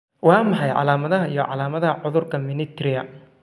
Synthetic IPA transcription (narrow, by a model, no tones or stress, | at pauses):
wɑːmɑħɑjʕɑ̰laːmɐðɐɦɐijɔʕɑ̰laːmɐðɐɦɐʕʊðʊrkʰɐmɪnɪt̪ʰɾɪɐ